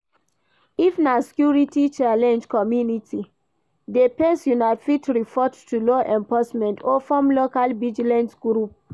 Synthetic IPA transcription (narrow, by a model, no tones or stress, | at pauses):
ifnaskjuɹitit͡ʃalɛ̃nd͡ʒkɔmjunitʰi | depɛ̃nsjunafitʰɹifɔttːulɔʔɛ̃mpɔsmɛ̃ntɔfɔmlokalvid͡ʒilɛ̃nsɡɾup̚